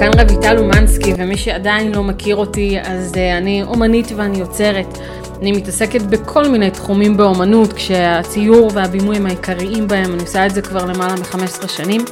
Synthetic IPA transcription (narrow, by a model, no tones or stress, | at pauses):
kanʁebitalumanskivemiʃeadainlo̞mekʰiʁo̞tiazaniʔo̞manitveanijo̞t͡se̞ʁet | animitase̞ke̞tbe̞kʰo̞lmine̞jtχumimbeo̞manutkʃeat͡sijuʁve̞abimujimhaikʰaʁiimbahe̞maniosaetzekvaʁle̞malamiχame̞sʁeʃanim